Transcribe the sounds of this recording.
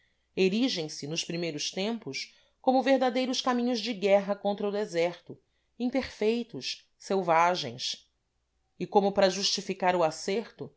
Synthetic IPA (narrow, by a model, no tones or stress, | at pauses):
eɾiʒẽj̃sɪnʊspɾimejɾʊst̪ẽmpʊs | kõmʊveɦd̪ad̪ejɾʊskamĩɲʊzd͡ʒɪɡɛɦɐkõnt̪ɾɐʊd̪ezɛɾt̪ʊ | ĩpeɾfejt̪ʊʃ | sewvaʒẽj̃s | ɪkõmʊpɾɐʒuʃt͡ʃifikaɾʊaseɾt̪ʊ